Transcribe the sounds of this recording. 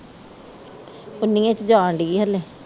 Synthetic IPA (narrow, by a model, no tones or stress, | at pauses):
ʊnːĩːẽt͡ʃd͡ʒãːɳɖiːɦəlːeː